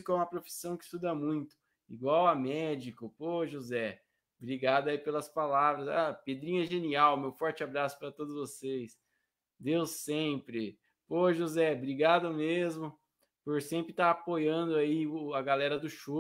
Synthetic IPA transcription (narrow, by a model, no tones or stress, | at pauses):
kʊɛũmɐpɾofi̥sɐ̃w̃kɪist̪ud̪ɐmũj̃t̪ʊ̥ | iɡwawɐmɛd͡ʒikʊpoʒuzɛ | bɾiɡad̪ʊaipelɐspalavɾɐzaped̪ɾĩɲɐɛʒeniawmewfɔɾt͡ʃɪabɾasʊ̥paɾɐt̪od̪ʊzvosejs | d̪ewsẽpɾɪ | poʒuzɛbɾiɡad̪ʊmezmʊ | poɾsẽmpɾɪt̪aɾapojɐ̃d̪ʊaiʊɐɡalɛɾɐd̪ʊʃo